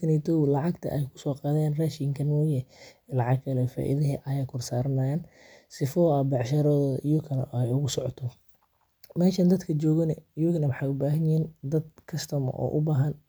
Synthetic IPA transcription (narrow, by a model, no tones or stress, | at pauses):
kʰɐnɪt̪ʰɔwlɑʕɑɡt̪ʰɐ̰ʔɛjkʰʊ̥sɔːqɑːðɛːnraːʃiŋkʰɐnmɔːjɛlɑʕɑɡkʰɐlɛfa̰ːʔɪ̰ðɐɦɛʔɐjaːkʰʊrsaːɾɐnɐːjaːn | sɪfɔːɐbɑʕʃɐɾɔːðɔːðɐʔijʊkʰɐnɐ̰ɛjʊɣʊsɔʕɔt̪ʰɔ | mɛːʃɐnd̪ɐd̪kʰɐt͡ʃɔːɣɐnɐjʊɣnɐwħɑjʊbaːɦɐnjɪiːnd̪ɐd̪̚kʰɐst̪ʰɐmɔ̰ʔɔ̰ːʔʊbaːɦɐn